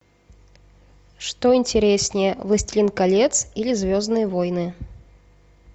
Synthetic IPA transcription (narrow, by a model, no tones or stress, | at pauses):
ʂt̪oɪnʲtʲɪɾʲesʲnʲɪjəvɨsʲtʲlʲɪnkalʲet̪silʲɪzʲvʲoznɨjəvojnɨ